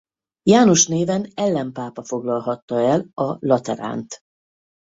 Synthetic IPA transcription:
jaːno̞ʃneːvɛnɛlːɛmpaːpɒfo̞ɡlɒlɦɒt̪ːɒɛlɒlɒt̪ɛɾa̰ːnt̪

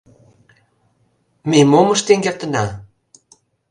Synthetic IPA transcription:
memoməʃt̪eŋɡert̪ə̆nɑ

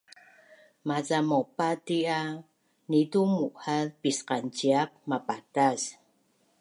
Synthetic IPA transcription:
mazamopatia | nidumuʔhalpisqant͡ɕiap̚mapatas

